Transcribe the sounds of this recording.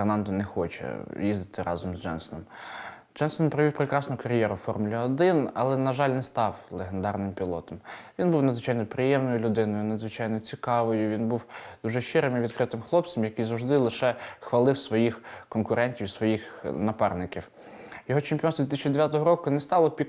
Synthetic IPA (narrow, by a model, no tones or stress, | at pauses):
rnɑnd̪ɔnɛxɔt͡ʃɛ̰jizd̪ɪt̪ɪɾʔɑzɔmzd͡ʒɛ̰nsɔnɔm | d͡ʒɛnsɔnpɾɔʋiwpɾekɾɑsnʊkɐɾʲjɛɾʊfɔrmʊlʲiɔd̪ɪnɐ̰lˠɛnɐʒɑlʲnɛst̪ɑwlˠeɦend̪ɑrnɪmpʲilˠɔt̪ɔmʋʲinbuwnɐd̪zʋɪt͡ʃɑjnɔpɾɪjɛmnɔjʊlʲʊd̪ɪnɔjʊnɐd̪zʋɪt͡ʃɑjnɔt͡sʲikɑʋɔjʊʋʲinbuwd̪̥uʒɛʃɪɾɪmiʋʲid̪kɾɪt̪ɪmxlˠɔp̪̚sɐmjɐkɪjzɐwʒd̪ɪlˠɪʃɛxʋɐlˠɪwsʋɔjixkɔnkʊɾɛnʲtʲiwsʋɔjixnɐpɑrnɪkʲiw | jɔɦɔt͡ʃɪmpʲiɔnt̪d̪ʲɪt̪ɪsʲt͡ʃid̪eʋʲjat̪ɔɦɔɾɔkʊnɛst̪ɑlˠɔpʲi